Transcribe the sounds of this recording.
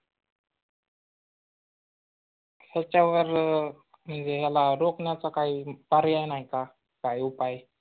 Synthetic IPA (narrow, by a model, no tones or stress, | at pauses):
kʰat͡ɕaʋəɾ | m̤əɳd͡zeɦalaɾokɳjat͡sakaipaɾjajnaɦika | kajupaj